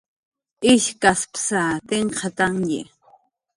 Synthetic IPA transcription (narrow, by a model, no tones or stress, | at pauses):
ɪʃkaspsat̪eɴqʰɑt̪aŋjḛ